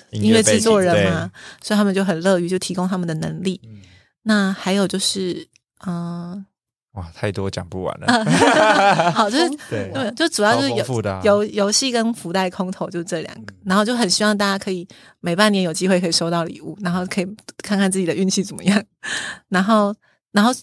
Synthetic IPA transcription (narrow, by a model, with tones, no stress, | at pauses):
i˥nwe˥˧ɪɻ̩˥t͡swɔ˥˩ɻə˨˧nma˧so˧˥i˨t̪ʰa˥mə˨t͡ɕjo˥˩ʊxə˨˩nlɤ˥˧y˥˩t͡ɕjo˥˩ʊt̪ʰi˧˥kʊ˥ŋt̪ʰa˥mə˨nd̪ə˩nə̰˧˥ŋli˥˩ | na˥˩xa˧˥ɪjo˨˩ʊt͡ɕjo˥˧ʊʂɻ̩˥˩ | ə˨˩ | wa˥˩t̪ʰa˥˩ɪt̪wɔ˦t͡ɕjɑ̰˨˩ŋpṵ˥˩wa̰˨˩˦n̰ə˧ | xɑ˨˩ʊt͡ɕjo˥˧ʊʂɻ̩˥˩t͡ɕm˧˨˩t͡ɕjo˥˧ʊ˥˩u˨˩jt͡ɕo˥˧ʊʂjo˧˥ʊjo˧˥ʊɕi˥˨kə˦nfu˧˥t̪a˥˩ɪkʰʊ˥ŋt̪ʰo˨˧˦ʊt͡ɕo˥˧ʊʂɻ̩˥˧ʈ͡ʂɤ˥˩ljɑ̰˨˩ŋɡə˦na˧˥nxo˥˧ʊt͡ɕjo˥˩ʊxə˨˩n˩ɕi˥wɑ˥˧ŋt̪̬a˥˩t͡ɕja˥kʰɤ˧˥i˨˩ | me˨˩ɪpa˥˩njɛ˧˥njo˨˩ʊt͡ɕi˥we˥˩kʰɤ˧˥i˨˩ʂo˥ʊt̪ɑ˥˩ʊlḭ˨˩u˥˩na˧˥nxo˥˧ʊkʰɤ˧˥i˨˩kʰa˥˧nkʰt͡sɹ̩˥˩t͡ɕi˨˩d̪ə˩y˥˧nt͡ɕʰi˥˩t͡sə˨˩mə̰˦jɑ˥˩ŋna˧˥nxo˥˩ʊ | na˧˥nxo˥˩ʊ